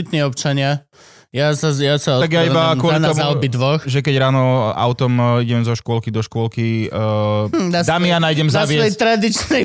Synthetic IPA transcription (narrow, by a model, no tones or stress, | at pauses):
it̪niːɔpt͡ʃaɲɪa | jasajasaɔt̪aɡjaibakʊɔlint̪ɔzmuaɔbid̪ʋɔxʒɛkɛɟɾaːnɔa̰ʊt̪ɔmiɟɛmzɔʃkʊɔlkid̪ɔʃkʊɔlki | d̪ad̪aːmijanaːjɟɛmzaʋɪɛjɛt̪ɾad̪it͡ʃnɛ